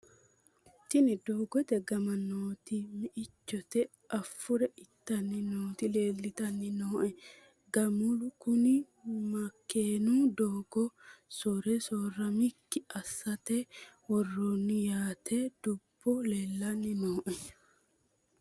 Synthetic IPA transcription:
t̪ːɪnɪd̪oːɡɔt̪ɛɡɐmɐnoːt̪ɪmɪʔɪt͡ʃːɔt̪ɛ | ʔɐfːʊɾɛʔɪt̪ːɐnːɪnoːt̪ɪle̞ːlːɪt̪ɐnːɪnoːʔɛ | ɡɐmʊlʊkʊnɪ | mɐkʰːeːnud̪oːɡ̥ɔsɔɾɛsoːrɐmɪkːɪɐsːɐt̪ɛwɔrːonːɪjaːt̪ʰɛd̪̥ʊb̥ːɔleːlːɐnːɪnoːʔɛ

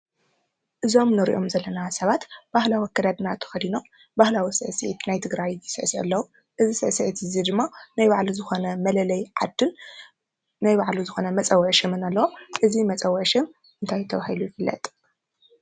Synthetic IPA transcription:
ʔɨzo̞mnɨɾḭʔomzɐlːɐnasɐβat̪b̥ahlawikʰːɐd̪ad̪nat̪ʰɐ̥xɐd̪ino̞ | bahlawisɨʔsɨʔit̪najt̪ʰɨɡɾajjɪsɨʔsʔɐ̰lːɐwu | ʔɨzisɨʔsiʔit̪ɨzid̪ɨmːanajbaʕluzɨxo̞nɐmɐlɐlɐjʕad̪ɨn | najbaʕluzɨxo̞nɐmɐt͡sʼɐwːɐʃɨmɨnalːɐwoʔɨzimɐt͡sʼɐwːɐʃɨm | ɨnt̪ʰajt̪ʰɐβahilujɪfɨlːɐ̰t̪ʼ

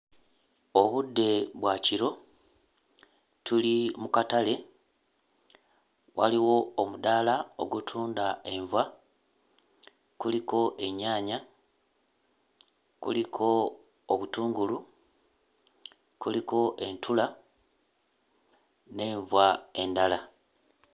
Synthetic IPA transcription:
oβudːe̞βwaciɾo̞ | tulimukatale̞ | wa̰liwo̞omudaːlao̞̰ɡutʰuːndae̞ɱvwa | kuliko̞ʔe̞ɲːaːɲa | kṵlikʰo̞ː | βutuːŋɡulu | kuliko̞ʔe̞ntʰula | ne̞ːɱvwae̞ndala

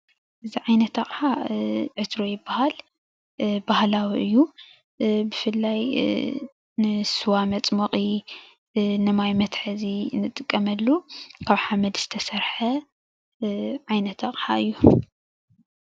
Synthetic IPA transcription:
ʔɨziʕajnɐt̪ɐχʼħaʕɨt̪ʰɾo̞jɪbːahal | bahlawiʔɨjːu | bɨfɨlːaj | nɨsɨwamɐt͡sʼmɐqʼi | nɨmajmɐt̪ħɨzinɨt̪ʼɨkʼːɐmɐlːukʰaβħamɐd̪z̥ɨ̥t̪ʰɐsɐɾħɐ | ʕajnɐt̪ʰːɐχʼħa̰ɨjːu

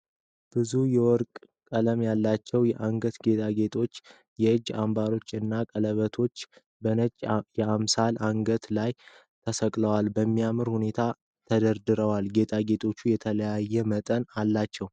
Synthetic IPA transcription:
b̥ɨzujɛwɔɾkʼ | kʼələmjalːat͡ʃːɛwjɛʔaŋɡət̪ɡe̞t̪ʰʼaɡe̞t̪ʼʰo̞t͡ʃː | jɛɨd͡ʒːambaɾo̞t͡ʃːɨnːakʼələβət̪ʰo̞t͡ʃː | bənət͡ʃʼjɛamsalʔaŋɡət̪laj | t̪ʰəsəkʼləwalbəmːijamɨɾhune̞t̪ʰa | t̪ʰəd̪əɾd̪ɨɾəwalɡe̞t̪ʰʼaɡe̞t̪ʰʼo̞t͡ʃːujɛt̪ʰələjajːɛmət̪ʼənalːat͡ʃːɛw

